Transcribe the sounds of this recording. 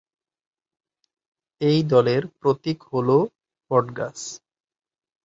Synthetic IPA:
ejd̪ɔleɾpɾot̪ikholo | pɔɖɡa̰s

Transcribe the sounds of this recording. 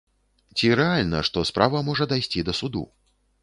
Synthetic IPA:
t͡sʲiɾɛalʲnɐ̰ʂt̪ɔspɾavɐmɔʐɐd̪ajsʲt͡sʲid̪ɐsud̪ṵ

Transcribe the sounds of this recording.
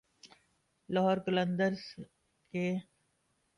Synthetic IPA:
lɔɦɔːɾkələ̃nd̪əɾs | ke

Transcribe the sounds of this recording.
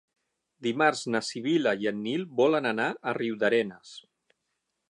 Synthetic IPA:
d̪imaɾznəsiβiləiənːilˠbɔlənənaəriwd̪əɾɛnəs

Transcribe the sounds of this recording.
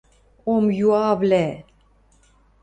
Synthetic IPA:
omjuaːvlɛ

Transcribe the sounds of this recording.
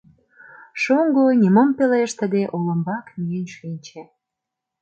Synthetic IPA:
ʃoŋɡoniməmpeleʃt̪əd̪eʔolə̆mbɑkmyjenʃinʲt͡ɕe

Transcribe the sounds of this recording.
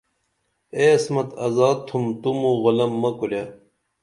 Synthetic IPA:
eɐsmɐt̪ɐzaːd̪̚t̪ʰumt̪umuɣolɐmːɐkulja

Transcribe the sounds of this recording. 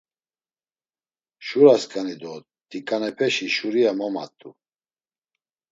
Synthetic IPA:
ʃuɾaskʼanid̪ɔ | t̪ʼikʼanɛpʰɛʃiʃuɾiamɔma̰t̪ʼu

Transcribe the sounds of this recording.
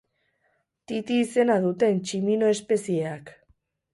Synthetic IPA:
t̪it̪iːse̞naðut̪e̞nt͡ʃimino̞e̞spe̞sieak

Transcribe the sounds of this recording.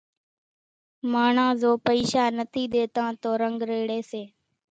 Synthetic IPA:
maːɳãːzoːpəiːʃaːnət̪ʰiːɗ̪eːt̪ãːt̪oːɾəŋɡɾeːɽeːseː

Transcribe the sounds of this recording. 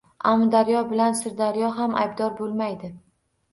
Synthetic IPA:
ʔamːd̪aɾjɒbɪlansɪɾd̪aɾjɒɦamʔa̰jbd̪ɒɾbolˠmajd̪ɪ

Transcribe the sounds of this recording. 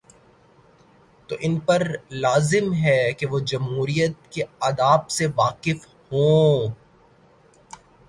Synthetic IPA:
t̪o̰ːʔɪnpɐɾlaːzɪmɦɛkeʋod͡ʒɐmɦuːɾijət̪̚keɐːd̪aːbseʋaːqɪf | hõː

